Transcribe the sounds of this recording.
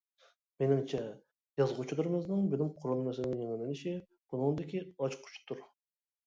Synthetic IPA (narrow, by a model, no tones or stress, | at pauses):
menɪŋt͡ʃʰɛ | jɑzʁut͡ʃʰilˠɨɾɨmɨznɨŋbɪnɪmqʰʊɾunmɛsɪlɪnɪŋjeŋɪlɪnɪʃi | b̥unɨŋnd̪ɪkʲiɑt͡ʃqʰʊ̥t͡ʃʰu̥t̪ʰːuɾ